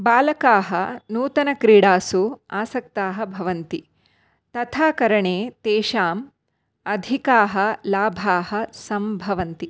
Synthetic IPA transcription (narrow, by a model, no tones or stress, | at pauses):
baːlɐkaːɦɐnuːt̪ɐnɐkɾiːɽaːsuaːsɐk̚t̪aːɦɐ̆bʱɐʋɐnt̪i | t̪ɐt̪ʰaːkɐɾɐɳeːt̪eːʃaːm | ɐd̪ʱikaːɦɐ̆laːbʱaːhɐsɐmbʱɐʋɐnt̪i